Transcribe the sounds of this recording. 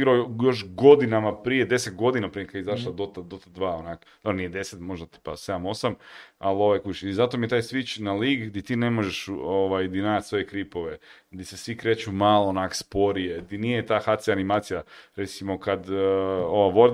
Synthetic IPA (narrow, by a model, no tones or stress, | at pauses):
ɡɾaojo̞ʃɡo̞d̪inamapɾijed̪e̞set̪ɡo̞d̪inapɾiekaizaʃlˠad̪ot̪ad̪ot̪ad̪ʋaːonakod̪aɾonijed̪e̞set̪moʒd̪at̪i̥pased̪amo̞sama̰lo̞ʋajkut͡ʃizat̪omijet̪aːjsʋit͡ʃnaliːɡd̪it̪iːne̞mo̞ʒeʃuoʋajd̪inaːjat̪sʋo̞jekɾipo̞ʋe̞ | d̪isesʋikɾe̞ːt͡ʃumalˠoonakspo̞ɾijed̪inijet̪aːxat̪sianimaːt̪sijaɾe̞t̪simo̞kad̪o̞ʋaʋoɾ